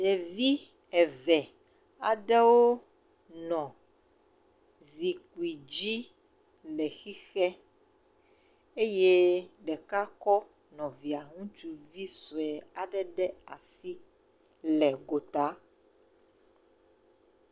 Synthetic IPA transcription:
ɖɛ˨vi˦ | ɛ˨vɛ˨ | a˨ɖɛ˦wo˦ | nɔ̃˨ | zi˨ku˨i˨d͡ʒi˦ | lɛ˨xi˦xɛ˦ | e˦je˦ɖɛ˨ka˦kɔ˦ | nɔ̃˨vi˨a˨ŋũ˦t͡ʃu˦vi˦so˨ɛ˨a˨ɖɛ˦ɖɛ˦a˨si˦ | lɛ˨ɡo˨t̪a˨˦

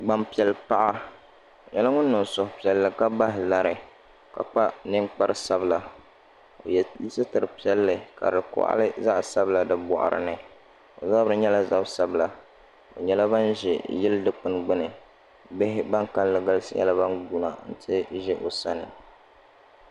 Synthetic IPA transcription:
ɡ͡ba˦mpi˨ɛ˨lpa˦ʔa˦ | o˨ɲɛ˦la˦ŋʊ˦n̩ː˦ɨ˨nsʊ˨hʊ˨pi˨ɛ˨lːɨ˨ka˦ba˦ɦɪ˨la˦ɾɨ˨ | ka̰˨k͡pa˦nɨ˦ŋk͡pa˦ɾɨ˦sa˦bla˨ | o̰˨ji˦sɨ˦tɨ˨ɾɨ˨pi˦ɛ˦lːɨ˨ka̰˨dɨ˨kʊ̰˨ʔa̰˦lɨ˦za˦ʔsa˦bla˨dɨ˨bɔ̰˨ʔa̰˨ɾɨ̰˨nɨ˨ | o̰˨za˦bɾɨ˦ɲɛ˦la˦za˦˨bsa˦bla˨ | o˨ɲɛ˦la˦ba˦nʒɪ̰˨jɪ˦ldɨ˦k͡pɨ˨n˨ɡ͡bɨ˦nɨ˨ | bɪ˦ɦɪ˦ba˦ŋka˦n˦lɨ˨ɡa˦lɨ˦sɨ̰˦jɛ̰˦la˦βa˦nɡu˦na˨n̩˦tʰɨ˦ʒɛ˦ʔo˨sa˦nɨ˨

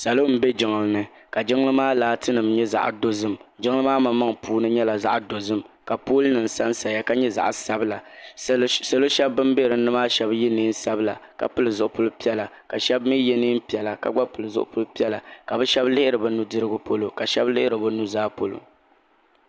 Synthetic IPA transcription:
sa˨lo˦m̩˦be˦d͡ʒɪ˨ŋɨ˨lɨ˨nɨ˨ka˨d͡ʒɪ˦ŋ˦lɨ˦maː˦laː˦tɨ˦nɨ˨mɲɛ˦za̰˨ʔdo˦zɨ˦md͡ʒɪ˦ŋlɨ˦maː˦ma˦ma˦ŋpuː˦nɨ˦ɲɛ˦la˨za̰˦ʔdo˨zɨ˦mka˨poː˦lɨ˦nɨ˨n̩˨sa˦n˦sa˨a˦ka˦ɲɛ˦za̰˨ʔsa˦bɨ˦la˨ | sa˨lo˦ʃɛ˦bːɨ˦m˦be˦ɾɨ˨nɨ˦maː˦ʃɛ˦bjɛ˦niː˦n̩˦sa˦bɨ˦la˨ka̰˨pɨ˦lɨ˨zʊ˨ʔʊ˨pʊ˦lpi˦ɛ˦la˨ka˨ʃɛ˦bmi˦jɛ˦niː˦m̩˦pi˨ɛ˨la˨ka̰˨ɡ͡ba˦pɨ˨lɨ˨zʊ˦ʔʊ̰˦pʊ˦lpi˦ɛ˦la˨ka˨bɨ˦ʃɛ˦blɪ˦hɪ˦ɾɨ˨bɨ˦nu˦dɨ˦ɾɨ˦ɡʊ˦po˦lo˨ka˨ʃɛ˦blɪ˦hɪ˦ɾɨ˨bɨ˦nu˦zaː˦po˨lo̰˨

